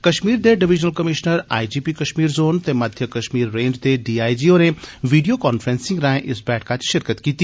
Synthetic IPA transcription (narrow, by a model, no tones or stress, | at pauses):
kɐʃmiːɾd̪eːɖɪʋɪd͡ʒnəlkɐmɪʃnəɾa̰ːid͡ʒiːpikɐʃmiːɾzoːnt̪emɐd̪ʱjəkɐʃmiːɾːẽːɲd͡ʒt̪eɖiːaːid͡ʒiːoːnẽʋiːɖijokɔːnfɾẽːnsɪ̃ŋɡɾãːẽʔɪsbɛːʈʰkat͡ɕi̥ʃɪɾkət̪kiːt̪i